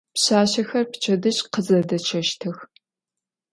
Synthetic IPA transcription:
pɕaːɕɐxɐrpʰt͡ʃʰʼɐdɨɕʼqəzɐdɐt͡ʃʰɐʃtʰɨx

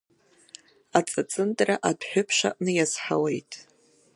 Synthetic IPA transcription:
at͡sʼat͡sʼɨntʼraʔadħʷᶣʊpʰʂa̰ʔnɨjazħawe̞jtʼ

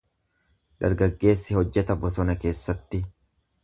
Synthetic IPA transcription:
d̪̥ɐɾɡɐɡːe̞ːsːɪhɔd͡ʒːɛt̪ɐbɔsɔnɐke̞ːsːɐt̪ːɪ

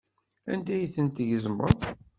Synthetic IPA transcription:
æ̰nd̪æjθənt̪ʝəzmːə̰ðˤ

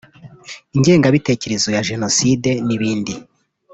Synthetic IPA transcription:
iɲɟe̞ːŋɡaβite̞ce̞ɾezojaʒe̞no̞side̞niβiːndi

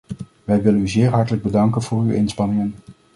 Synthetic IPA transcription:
ʋɛjʋɪlənyzɪːɹɦɑɹtələɡ̚bədɑŋkənv̥ʊːrywʔɪnspɑnɪŋən

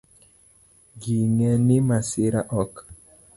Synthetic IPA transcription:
ɡiŋɛnimasɪɾaʔɔk

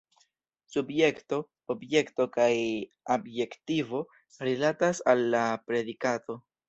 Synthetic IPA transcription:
subje̞kto̞ | obje̞kto̞kaj | abje̞ktivo̞ | ɾilatasalːapɾe̞dikato̞

